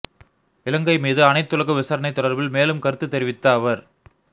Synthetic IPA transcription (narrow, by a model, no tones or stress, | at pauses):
ɪlɐŋɡɐɪmiːðɯɐnɐɪt̪ːɯlɐɣɐʋɪsɐɾɐnɐɪt̪ːɔɽɐɾbɪlmeːlɯmkɐɾɯt̪ːɯt̪ːɛɾɪʋɪt̪ːɐːʋɐɾ